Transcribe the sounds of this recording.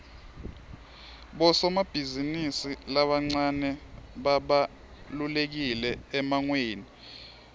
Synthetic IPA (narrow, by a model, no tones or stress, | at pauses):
ɓɔsɔmab̥ʱizinisilaɓaŋ͡ǀanɛɓaɓa | lulek̬ilɛɛmaŋweːni